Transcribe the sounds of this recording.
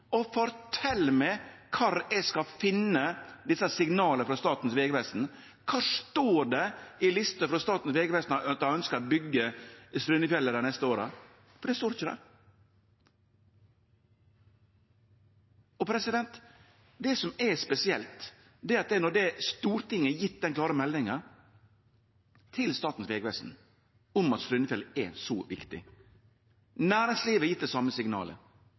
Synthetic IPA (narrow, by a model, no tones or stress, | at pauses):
ɔfɔɾt̪ʰɛlːəmɛkʰɑːɾɛskɑfɪnːəd̪ɪsːəsɪŋnɑːləɾfɾɑst̪ɑːt̪n̩sʋeːɡəʋɛst̪n̩ | kʰɑːʂt̪oːɖɛɪlɪst̪əfɾɑst̪ɑːt̪n̩sʋeːɡəʋɛst̪nt̪œnskəɾɔbʏɡːəst̪ɾʉnəfjɛlːəɾd̪æɪnɛst̪əoːɾə̰ | fɔɖɛst̪oːɾɪçəd̪ɛ̰ | ɔpʰɾɛsɪd̪ɛnt̪ | d̪ɛsɔmɛspɛsɪɛlt̪ | d̪ɛːɾɑt̪̚d̪ɛnɔd̪ɛst̪uːɾt̪ɪŋːəjɪt̪̚ːd̪ɛnkʰlɑːɾəmɛlnɪŋə | t̪ʰɪlst̪ɑːt̪n̩sʋeːɡʋɛst̪n̩ | ʊmɑt̪st̪ɾʏnəfjɛləɛsɔʋɪkt̪ɪ̰ | næːɾɪŋsliːʋəjɪt̪̚ːd̪ɛsɑməsɪŋnɑ̰ːlə̰